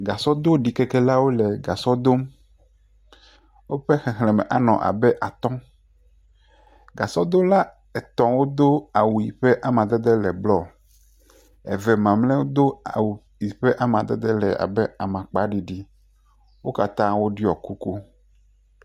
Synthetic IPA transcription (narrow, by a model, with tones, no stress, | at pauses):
ɡa˨sɔ˦d̪o˦ɖi˨kɛ˦kɛ˦la˦wo˦lɛ˨ɡa˨sɔ˦d̪o˦m | wo˦ɸɛ˦xɛ˨xlɛ̃˨mɛ̰˨ʔa˦nɔ̰̃˨ʔa̰˨bɛ˦ʔa˨t̪ɔ̃˦ | ɡa˨sɔ˦d̪o˦la˦ | ɛ˨t̪ɔ̃˨wo˦d̪o˦a˨wu˨i˨ɸɛ˦ʔa˨mã˨d̪ɛ˦d̪ɛ˦lɛ˨blɔ˨ | ɛ̰˨vɛ˨mã˨mlɛ̃˦wo˦d̪o˦a̰˨wu˨ | i˨ɸɛ˦ʔa˦mã˨d̪ɛ̰˦d̪ɛ˦lɛ̰˨a̰˨bɛ˦a˨mã˨k͡pa˨˦ɖi˨ɖi˦ | wo˦ka˨t̪ã˦wo˦ɖi˦ɔ˨ku˦ko˦